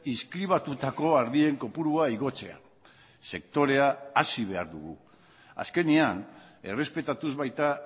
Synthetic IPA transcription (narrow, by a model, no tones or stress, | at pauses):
iskɾiβ̞at̪ut̪ako̞aɾðie̞ŋko̞puɾuaiɣo̞t͡se̞̰a̰ | se̞k̚t̪o̞ɾe̞aasiβ̞e̞aɾðuɣṵ | a̰ske̞nian | e̞re̞spe̞t̪at̪uzβajt̪a